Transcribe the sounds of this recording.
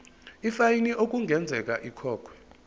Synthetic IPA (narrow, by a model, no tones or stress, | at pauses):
ifajiniʔok̬uŋɡʱɛnd͡zʱɛk̬ʼaʔikʰɔːkʰwɛ̥